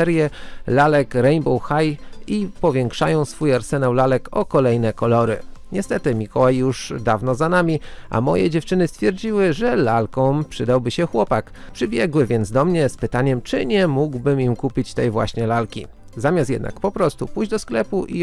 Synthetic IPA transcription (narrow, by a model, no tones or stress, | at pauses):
ɛɾjɛlalɛkɾɛjmbɔwxajipɔvʲjɛŋkʂajɔ̃w̃sfujaɾsɛnawlalɛkɔkɔlɛjnɛkɔlɔɾɘ̰ɲɛst̪ɛt̪ɘmʲikɔwajːuʐd̪avnɔzanamʲiʔa̰mɔjɛ̰d͡ʑɛft͡ʂɘnɘst̪fʲjɛɾd͡ʑiwɘʐɛlalkɔ̃w̃pʂɘd̪awbɘɕɛxwɔpakpʂɘbʲjɛɡwɘvʲɛnd̪zd̪ɔmɲɛspɘt̪aɲɛmt͡ʂɘɲɛmuɡwbɘmimkupʲit͡ɕt̪ɛjvwa̰ɕɲɛlalkʲi | zamʲast̪jɛ̰d̪na̰kpɔpɾɔst̪upujd͡ʑd̪ɔsklɛpuʔḭ